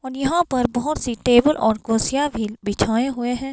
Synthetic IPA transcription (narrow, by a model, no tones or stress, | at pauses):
ɔːɾjɐɦãpɐɾbɐɦʊt̪siʈeːbəlʔɔːɾkoːsijabʱibɪt͡ʃʰaːeɦʊeɦɛ̃ː